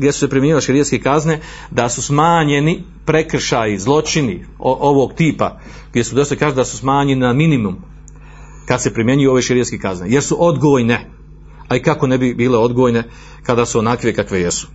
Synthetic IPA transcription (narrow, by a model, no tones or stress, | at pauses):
ɡd̪ʲjesu̥sepɾimʲeɲiʋaʃeɾijeskekazne̞ | d̪asusmaːɲe̞ni | pɾe̞kr̩ʃajizlˠo̞t͡ʃinioʔoʋoːɡt̪iːpa̰ | ɡd̪jesud̪oslikaʒed̪asu̥smaːɲe̞ninaminimum | kad̪se̞pɾimje̞ɲujuoʋeʃeɾijeskekazneje̞ɾsuʔo̞d̪ɡo̞ːjne̞ | aikako̞ne̞bibiːle̞o̞d̪ɡo̞ːjne̞ | kad̪asuonakʋiekakʋejesu̥